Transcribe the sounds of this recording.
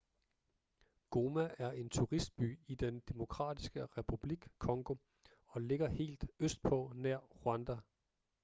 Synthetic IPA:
ɡ̥o̝mæʔæɐʔe̝nt͡sʰuʁisd̥̚b̥y̰ːid̥end̥e̝mo̝kʰʁɑ̰̈ːd̥isɡ̥əʁɛpʰub̥liɡ̥kʰɒ̽ŋɡ̥o̝ | ɒ̽le̝ɡ̥ɐhe̝̰ːld̥øsd̥̚pʰɒ̽næɐ̰ʁuænd̥æ

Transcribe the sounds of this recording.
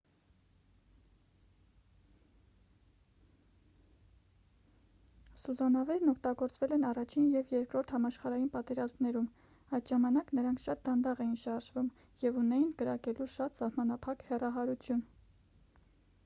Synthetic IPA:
suzɑnɑvɛɾnɔkʰt̪ɑɡɔɾt͡svɛlɛnɑrɑt͡ʃʰinjɛvjɛɾkɾɔɾt̪ʰhɑmɑʃχɑɾɑjinpɑt̪ɛɾɑzmnɛɾum | ɑjt̪ʒɑmɑnɑknəɾɑŋkʰʃɑt̪̚d̪ɑnd̪ɑʁɛjinʃɑɾʒvum | jɛvunɛjinɡəɾɑkɛluʃɑt̪sɑhmɑnɑpʰɑkhɛrɑɦɑɾut͡sʰjun

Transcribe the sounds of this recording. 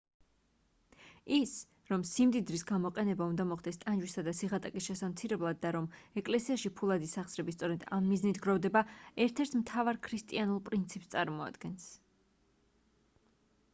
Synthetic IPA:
is | ɾɔmsimd̪id̪ɾisɡamɔqʼɛnɛbaund̪amɔχd̪ɛst̪ʼand͡ʒwisad̪asiʁat̪ʼakʼisʃɛsamt̪sʰiɾɛblˠad̪̚ːaɾɔmɛkʼlɛsiaʃipʰulˠad̪isaχsɾɛbist̪sʼɔɾɛd̪amːiznit̪ʰɡɾɔvd̪ɛbaɛɾt̪ʰɛɾt̪ʰmt̪ʰavaɾkʰɾist̪ʼianulˠpʼɾint̪sʰipst̪sʼaɾmɔa̰d̪ɡ̥ɛns

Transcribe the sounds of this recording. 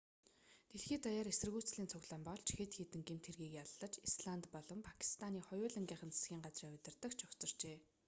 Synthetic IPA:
t̪eɮxiːt̪ajaːɾesɘrɣuːt͡sɮiːnt͡sʰʊɣɮaːmpɔɮt͡ɕʰixeːt̪xiːt̪ɘ̆ŋɡem̥t̪ʰerɣiːkjaɮːə̆t͡ɕisɮant̪pɔɮɞ̆mpʰḁkʰi̥st̪ʰaniːχɔjʊːɮə̆ŋɡʲiːɴχə̆nt͡sʰe̥sɡʲiːŋɢat͡sriːŋʊt̪ʲɪ̆rt̪ə̆kt͡ɕʰʊxt͡sɞ̆r̥t͡ɕeː

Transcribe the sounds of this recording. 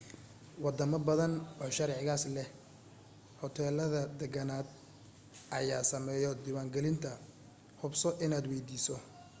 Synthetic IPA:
wɑd̪ɐmɐbɐðɐnɔːʃɐɾʕɪɣaːslɛh | hɔt̪ʰɛːlɐðɐd̪ɛɡɐnaːd̪̚ | ʔɐjaːsɐmɛːjɔd̪iːwaːŋɡɛlɪnt̪ʰɐ | hʊbsɔʔɪnaːd̪wɛjd̪iːsɔ

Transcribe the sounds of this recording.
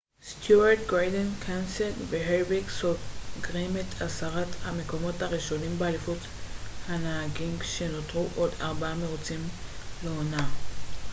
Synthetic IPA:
st̪juaʁt̪ɡʁadenkʰanseveɦeʁbiɡsofɡʁimet̪ʰasaʁathame̞ko̞mo̞thaʁiʃo̞nimbealifut | hanaɦaɡimʃe̞no̞t̪ʁuʔo̞daʁbaame̞ʁut͡simleona

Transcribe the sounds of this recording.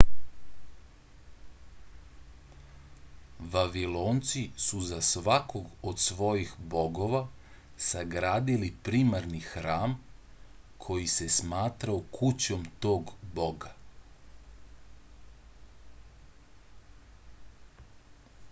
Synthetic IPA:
ʋaʋilo̞ːnt̪sisuzasʋakʰo̞ɡod̪sʋo̞jixbo̞ɡo̞ʋa | saɡɾaːd̪ilipɾiːmaɾnixɾaːm | kʰo̞jise̞smaːt̪ɾaokʰut͡ɕo̞mt̪o̞ːɡbo̞ɡa

